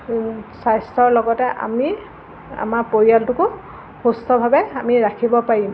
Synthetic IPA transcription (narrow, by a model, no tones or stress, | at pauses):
sajstɔɹlɔɡɔtɛʔa̰mi | a̰maɹpoɹialtʊkʊ | xustʰɔbʱabɛamiɹakʰibɔpaɹim